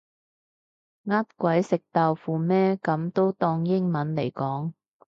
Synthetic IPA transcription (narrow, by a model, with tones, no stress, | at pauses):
ŋaː˥t̚kʷɐ˨˥jsɪ˨k̚t̪aː˨˧wfuː˨˧mɛː˥kɐ˨˥mt̪o˥wt̪ɔː˧ŋjɪ˥ŋmɐ˨˥nle˨˩jkɔː˨˥ŋ